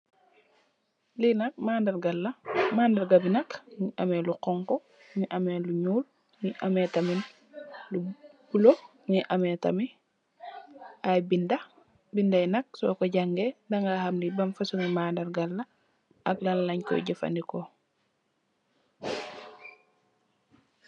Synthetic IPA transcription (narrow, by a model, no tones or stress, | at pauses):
linɐk̚maːndɐɾɡalːɐmaːndɐɾɡabinɐkɲiʔamɛluqɔŋkɔ | ɲiʔɐmeluɲuːl | ɲiʔɐmetɐmin | lubulo | ɲiʔamɛtɐ̰mi | ajbinda | bindajnɐk̚sɔkɔɟaŋɡendaŋɡahamlibɐmfasuŋimaːndɐɾɡalːɐ | ɐklanlɐɲkɔ̰ɟifa̰ndiko